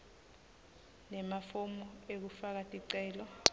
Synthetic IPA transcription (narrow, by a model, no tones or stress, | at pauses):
nɛmafomuek̬ufak̬atʼiǀɛːlɔ